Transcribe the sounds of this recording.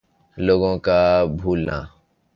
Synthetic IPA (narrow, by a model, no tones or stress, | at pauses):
loːɡõːkaːbʱuːlna̰ː